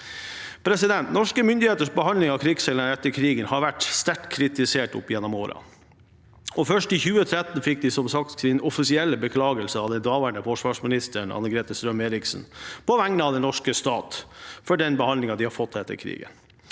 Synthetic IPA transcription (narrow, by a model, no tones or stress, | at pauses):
pʰɾɛsɪd̪ɛnt̪nɔʂkəmʏnd̪ɪheːt̪əʂbəhɑnlɪŋɑkʰɾɪɡseːlənəɾɛt̪ːəɾkʰɾiːɡənhɑɾʋæʈst̪æʈkʰɾɪt̪ɪseːʈʊ̰pːjɛnːɔmoːɾɑ̰ | ɔfœʂʈɪçʉːət̪ʰɾɛt̪ːn̩fɪk̚d̪ɪsɔmsɑk̚t̪ɪnɔfɪsɪɛlːəbəkʰlɑːɡəlsəɑʋd̪ɛnd̪ɑːʋæɳəfɔʂʋɑːʂmɪnɪst̪əɳɑ̰nəɡɾeːt̪əst̪ɾœmeːɾɪksnpʰɔʋæŋnəɑʋd̪ɛnɔʂkəst̪ɑːt̪fɔɖɛnbəhɑnd̪lɪŋɑd̪ɪhɑɾfɔt̪ʰːɛt̪ːə̰ɾkʰɾḭːɡə̰n